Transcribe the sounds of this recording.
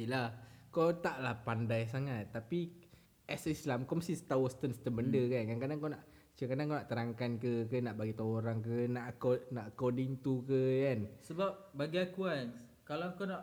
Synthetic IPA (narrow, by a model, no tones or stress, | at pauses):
ilakot̪aʔlahpandajs̬aŋat̪ːapi | ʔɛsislamkɔmast̪isə̥t̪awusə̥t̪ənsə̥t̪ənbəndəkankankadaŋkawnaʔ | t͡ʃəkadaŋkawnaʔt̪əɾaŋkankəkənaʔbaɡit̪oɾaŋk̬ənaʔkonaʔkodiŋt̪ukəkansəbap̚baɡiakuan | kalakonaʔ